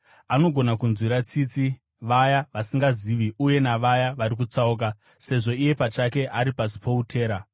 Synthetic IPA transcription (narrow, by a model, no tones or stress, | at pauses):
ano̞ɡʱo̞nakunzwiɾat͡siːt͡si | ʋajaʋasiŋɡaziʋiuje̞naʋajaʋaɾik̬ut͡sauk̬a | se̞ʐo̞ije̞pat͡ʃake̞ʔaɾipasi̥po̞utʰe̞ːɾa